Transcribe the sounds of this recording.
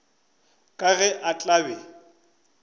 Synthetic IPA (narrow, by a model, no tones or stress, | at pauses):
kʼaɣɛʔat͡ɬʼabɛ